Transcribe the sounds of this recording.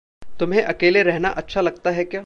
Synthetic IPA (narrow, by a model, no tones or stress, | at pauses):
t̪ʊmɦẽʔɐkeːleɾɛɦnaʔɐtːʃʰalɐɡ̚t̪aɦɛkjaː